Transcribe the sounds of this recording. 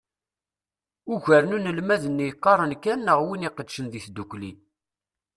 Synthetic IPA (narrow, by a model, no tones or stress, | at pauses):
ʊʝəɾnunəlmæðənːjqːɑɾˤənkænːəʁwiniqəd̪ʃənðiθd̪ukʷli